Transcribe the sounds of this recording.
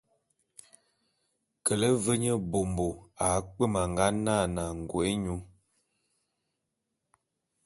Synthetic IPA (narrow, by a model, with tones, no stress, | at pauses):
kə˨lə˦və˦ɲə˦bo˨mbo˨a˨˦k͡pə˦ma˨ŋ˨ɡa˦na˦˨na˨ŋ̩˨ɡwe˦ɲu˨˦